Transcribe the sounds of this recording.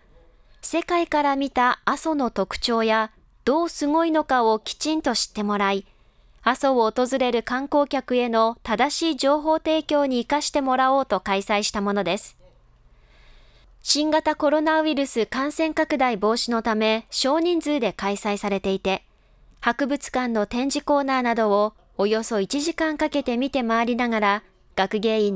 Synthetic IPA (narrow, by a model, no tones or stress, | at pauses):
se̞kaikaɾamʲit̪aːso̞no̞t̪o̞kɯ̟̥t͡ɕo̞ːja | d̪̥o̞ːsɨŋo̞ino̞kao̞kʲi̥t͡ɕĩnt̪o̞ɕi̥t̪ːe̞mo̞ɾai | aso̞oːt̪o̞zɨɾe̞ɾɯ̟kãŋko̞ːkʲakɯ̟e̞no̞t̪ad̪aɕiːd͡ʑo̞ːɦo̞ːt̪e̞ːkʲo̞ːɲ̟iːkaɕi̥t̪e̞mo̞ɾao̞ːt̪o̞kaisaiɕi̥t̪amo̞no̞d̪e̞sɨ̥ | ɕĩŋɡat̪ako̞ɾo̞naiɾɯ̟sɨkãɰ̃sẽ̞ŋkakɯ̟d̪aibo̞ːɕino̞t̪ame̞ɕo̞ːɲ̟ĩnd͡zɨːd̪e̞kaisaisaɾe̞t̪e̞it̪e̞ | hakɯ̟bɯ̟t͡sɨ̥kãnːo̞t̪ẽ̞ɲ̟d͡ʑiko̞ːnaːnad̪o̞ː | jo̞so̞it͡ɕiʑikãŋkake̞t̪e̞mʲit̪e̞maaːɾʲinaɡaɾa | ɡ̥akɯ̟ɡe̞ːĩ